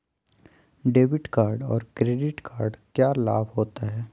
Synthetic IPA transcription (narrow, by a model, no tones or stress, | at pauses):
ɖeːbɪʈkaːɾɖɔ̰ːɾkɾeːɖɪʈkaːɾɖkjaːlaːbʱɦoːt̪aɦɛː